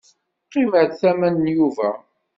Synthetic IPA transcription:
qːiməɾθæmænːjuvæ

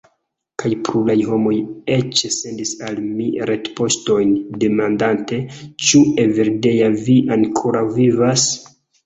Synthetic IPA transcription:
kʰajpɾulajɦo̞mo̞je̞t͡ʃse̞ndisalmiɾetpo̞sto̞jnde̞mandante̞t͡ʃueveɾde̞javiʔaŋkʰoɾawvivas

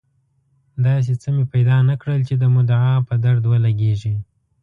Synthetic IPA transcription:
d̪ɑs̬et͡səmepajd̪ɑnakɽəlt͡ʃed̪əmʊd̪ʕɑpəd̪aɾd̪wəlaɡeʒi

